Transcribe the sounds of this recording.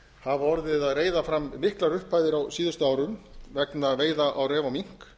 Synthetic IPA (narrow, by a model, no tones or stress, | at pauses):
havɔɾðɪðaðreːjðafɾamːɪhklaɾʏhpaːjðɪɾawsiːðʏst̪ʏaːwɾʏmvɛknaveːjðaʔawɾɛːvawmiŋ̥k